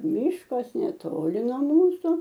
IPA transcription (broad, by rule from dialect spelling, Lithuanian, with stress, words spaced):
ˈmʲiːʃkɐs nʲɛˈtoːlʲɪ nuɔ ˈmuːsʊ